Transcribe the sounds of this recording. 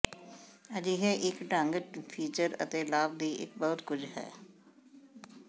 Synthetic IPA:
əd͡ʒiɦeʔɪkʈãːŋɡəʈpʰiːt͡ʃəɾə̰t̪elaːb̚d̪iːʔɪ̰k̚bəɦʊt̪kʊd͡ʒʰɦɛ̰ː

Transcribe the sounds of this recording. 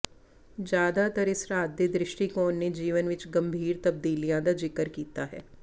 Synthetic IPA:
d͡ʒjaːd̪at̪ɐɾɪsɾaːd̪jed̪ɾɪʃʈikoːnːed͡ʒiːʋənʋɪt͡ʃɡɐ̃mbʱiːɾt̪ɐb̚d̪iːlijãd̪ad͡ʒɪkəɾkiːt̪aɦɛ̰ː

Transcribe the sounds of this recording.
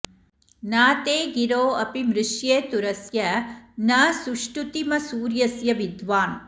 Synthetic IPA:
naːt̪eːɡiɾoːɐpimɾɪʂjeːt̪uɾɐsjɐnɐːsuʂʈut̪imɐsuːɾjɐsjɐʋid̪ʋaːn

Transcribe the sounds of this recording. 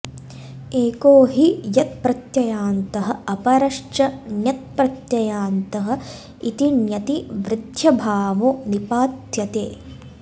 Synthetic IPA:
eːkoːɦijɐt̪̚pɾɐt̪jɐjaːnt̪ɐɦɐ̆ɐpɐɾɐʂt͡ʃɐnjɐt̪̚pɾɐt̪jɐjaːnt̪ɐɦɐ̆ | it̪injɐt̪iʋɾɪd̪ʱjɐbʱaːʋonipaːt̪jɐt̪ḛː

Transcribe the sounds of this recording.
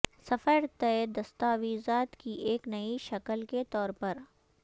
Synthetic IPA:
sɐfəɾt̪ɛed̪ɐst̪aːʋiːzaːt̪kiʔeːknɐiʃɐkəlket̪ɔːɾpɐɾ

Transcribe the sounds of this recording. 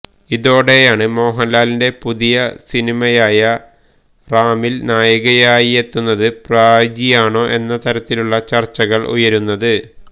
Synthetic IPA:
iðo̞ːɽe̞jaːɳɨmo̞ːɦɐnlaːlinde̞puðijɐsinimɐjaːjɐ | raːmilnaːjɐɣɐjaːjije̞t̪ːunːɐðɨpraːd͡ʑijaːɳo̞ːʔe̞nːɐt̪ɐɾɐt̪ːiluɭːɐt͡ɕɐrt͡ɕːɐɣɐɭʔṵjɐɾunːɐðɨ

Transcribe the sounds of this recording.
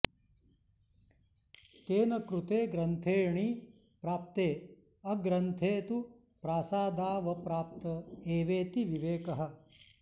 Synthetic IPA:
t̪eːnɐkɾut̪eːɡɾɐnt̪ʰeːɳi | pɾaːp̚t̪eː | ɐɡɾɐnt̪ʰeːt̪u | pɾaːsaːd̪aːʋɐpɾaːp̚t̪ɐeːʋeːt̪iʋiʋeːkɐɦɐ̆

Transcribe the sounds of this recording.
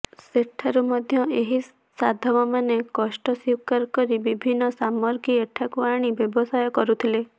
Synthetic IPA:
seʈʰaɾumɔd̪ʱjɔʔeɦi | sad̪ʱɔbɔmanekɔsʈɔsiwkaɾkɔɾibibʱinːɔsamɔɾɡieʈʰakuaɽ̃ibjɔbɔsajɔkɔɾut̪ʰile

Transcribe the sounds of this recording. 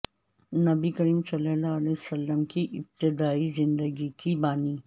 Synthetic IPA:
nɐbikəɾiːmsɐləlaəlesɐlːəmkiʔɪb̚t̪ɪd̪aːizɪ̃nd̪əɡikibaːniː

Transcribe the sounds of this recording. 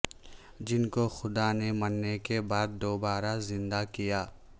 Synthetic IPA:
d͡ʒɪnkoxʊd̪anemɐnːekebaːd̪ːoːbaːɾazɪ̃nd̪akijaː

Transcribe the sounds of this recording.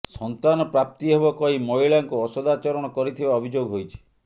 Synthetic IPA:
sɔnt̪anɔpɾap̚t̪iɦebɔkɔɦimɔiɭaŋkuɔsɔd̪at͡ʃɔɾɔɽ̃ɔkɔɾit̪ʰibaɔbʱid͡ʒoɡɦojt͡ʃʰi̥

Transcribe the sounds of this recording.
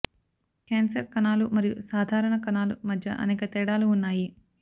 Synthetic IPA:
keːnsɐɾkɐnaːlumɐɾijṵsaːd̪ʱaːɾɐɳɐkɐnaːlumɐd̪ʱjɐ̰ʔɐ̰nɛːkɐt̪ɛːɽaːluːnːaːji

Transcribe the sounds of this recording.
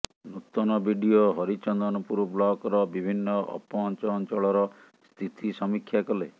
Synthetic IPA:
nut̪ɔnɔbʱiɖioɦɔɾit͡ʃɔnd̪ɔnɔpuɾɔblɔkɾɔbibʱinːɔʔɔ̰pɔːnt͡ʃɔːnt͡ʃɔɭɔɾɔ | st̪ʰit̪ʰisɔmikʰːjakɔle

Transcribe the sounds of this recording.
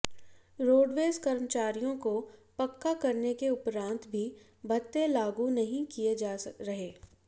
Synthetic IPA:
ɾoːɖʋeːskɐɾmət͡ʃaːɾijõkopɐkːakɐɾnekeʊpɾãːnt̪bʱi | bʱɐt̪ːelaːɡunɐɦĩkijed͡ʒaːɾɐɦeː

